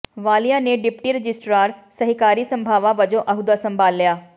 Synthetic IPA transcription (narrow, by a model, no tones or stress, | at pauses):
ʋaːlijãneɖɪpʈiɾəd͡ʒɪsʈɾaːɾsɐɦɪkaːɾisə̃mbʱaːʋãʋɐd͡ʒõʔɐɦud̪asɐ̃mbʱaːlːjaː